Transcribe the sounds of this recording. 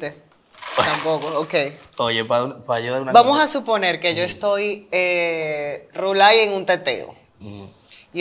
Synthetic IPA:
t̪e | t̪ampo̞kookej | ojepapajuðaɾunbamosasupo̞ne̞ɾke̞ʝo̞est̪o̞je | rulaje̞ŋunt̪e̞t̪ḛo̰

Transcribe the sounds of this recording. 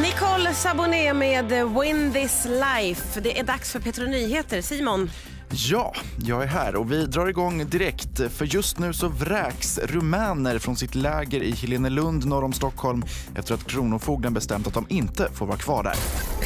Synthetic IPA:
nɪkʰɔlsabʊneːmeːd̪wɪnd̪ɪslajfd̪ɛʔæɖaksfœɾpʰeːt̪ɾʊnyːɦeːt̪əɾsiːmʊn | jɑːjɑːɡæɾɦæːɾɔvɪd̪ɾɑːɾɪɡɔŋːd̪ɪɾɛkt̪fœɾjɵst̪nʉ̟ːsɔvɾɛːksɾɵmɛːnəɾfɾɔnsɪt̪lɛːɡəɾɪhɪleːnəlɵnd̪nɔɾɔmst̪ɔkʰːhɔlmʔɛ̰ft̪əɾat̪kʰɾuːnʊfuːɡlənbɛst̪ɛ̰mt̪at̪̚d̪ɔmɪnt̪əfoːɾvɑːɾakʰv̥ɑːɖæ̰ːɾ

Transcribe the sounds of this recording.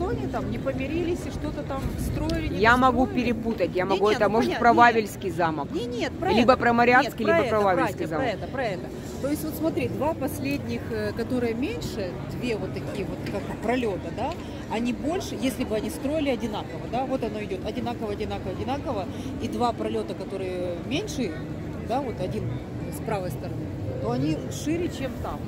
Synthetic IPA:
ʂt̪oɐnʲit̪amnʲɪpəmʲɪɾʲilʲɪsʲɪʂt̪o̞t̪ət̪amst̪ɾo̞ɪlʲɪjamɐɡupʲɪɾʲɪput̪ətʲjamɐɡuɛt̪əmo̞ʐɨt̪pɾɐvavʲɪlʲskʲɪjzaməkʲet̪plʲibəpɾɐmɐɾʲask̪kɪilʲibəppɾɐvavʲɪlʲskʲɪzammɛt̪əpɾɐɛt̪ə | t̪o̞jɪsʲtʲvo̞t̪smɐt̪ɾʲid̪vapɐsʲlʲedʲnʲɪxkɐt̪o̞ɾɨjəmʲenʲʂɨ | d̪vʲevo̞t̪ːɐkʲijəvo̞t̪kakpɾɐlʲo̞t̪əd̪a | ɐnʲibo̞lʲʂɨjesʲlʲɪbɨɐnʲist̪ɾo̞ɪlʲɪɐdʲɪnakəvəd̪avo̞t̪ɐno̞ɪdʲo̞t̪ɐdʲɪnakəvəɐdʲɪnakəvəɐdʲɪnakəvə | id̪vapɾɐlʲo̞t̪əkɐt̪o̞ɾɨjəmʲenʲʂɨ | d̪avo̞t̪ɐdʲin | spɾavəjst̪əɾɐnɨ | t̪o̞ɐnʲi | ʂɨɾʲɪt͡ɕemt̪am

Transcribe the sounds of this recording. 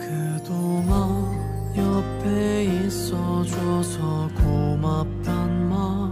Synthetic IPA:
kɯd̪oŋa | jʌpʰeis͈ʌd͡ʑuʌsʰʌkomap̚t̪͈anma

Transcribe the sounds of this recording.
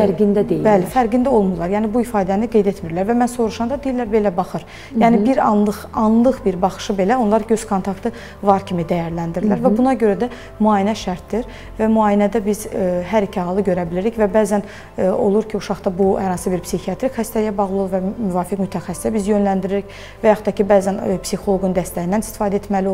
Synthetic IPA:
fæɾɡind̪æd̪eibælifæɾɡind̪æo̞lˠmulˠːɑɾjæːnibuifɑːd̪æniɡe̞jd̪e̞t̪miɾlæɾvæmænso̞ɾuʃɑnd̪ɑd̪eilːæɾbe̞læbɑχɯɾ | jæːnɪbiɾɑnlˠɯχɑnlˠɯχbiɾbɑχɯ̥ʃɯbe̞læo̞nlˠɑɾɟøz̥kʰo̞nt̪ʰɑkt̪ʰɯ | vɑɾcʰimid̪æjæɾlænd̪iɾilæɾvæbunɑɟø̞ɾæd̪æ | myɑːjinæʃæɾt̪d̪iɾ | væmyɑːjinæd̪æbizɦæɾicʰihɑːlˠɯɟø̞ɾæbiliɾiçvæbæːzæn | o̞̰lˠuɾcʰiuʃɑχd̪ɑbuhæɾɑnsɯbiɾpsixiɑt̪ʰɾikhæst̪æjæbɑɣlˠuolˠuɾvæmyvɑːfikmyt̪ʰæxæsi̥sæbizjø̞nlænd̪iɾiɾic | væjɑxut̪ːɑcʰibæːzænpsixo̞lˠo̞ɡund̪æst̪æjind̪ænist̪i̥fɑːd̪æet̪mælio

